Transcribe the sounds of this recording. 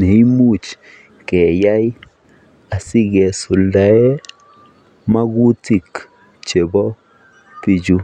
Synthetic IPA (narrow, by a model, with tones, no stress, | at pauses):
ne˨i˦mu˦t͡ʃ | kɛ˨ja˦j | a˨si˦ɡɛ˨su˨lda˨ɛ˦ | ma˦ɡu˦ti˨k | t͡ʃe˨bɔ˦ | pi˨d͡ʒu˦